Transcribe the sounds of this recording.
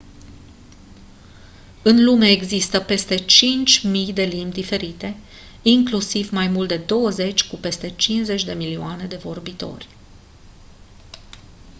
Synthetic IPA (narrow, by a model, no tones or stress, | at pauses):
ɨnlumeeɡzist̪əpe̞st̪e̞t͡ʃint͡ʃʲmijd̪e̞limd̪ife̞ɾit̪e̞ | iŋklusivmajmult̪d̪e̞d̪o̞wəze̞t͡ʃʲkupe̞st̪e̞t͡ʃinze̞t͡ʃʲd̪e̞milioane̞d̪e̞vo̞rbit̪o̞̰rʲ